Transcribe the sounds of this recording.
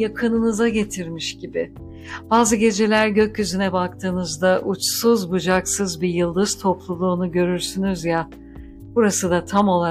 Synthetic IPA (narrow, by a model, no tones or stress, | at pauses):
jakʰɯnɯnɯzaɟe̞t̪ʰiɾmiʃɟibɪ | b̥aːzɯɟe̞d͡ʒe̞lʲæɾɟø̞cːyzynɛbak̚t̪ʰɯːnɯzd̪aʔut͡ʃsuzbud͡ʒaksɯzbijɯlˠd̪ɯz̥t̪ʰo̞plˠulˠuːnuɟø̞ɾyɾsynyzja | b̥uɾasɯd̪at̪ʰamo̞lˠa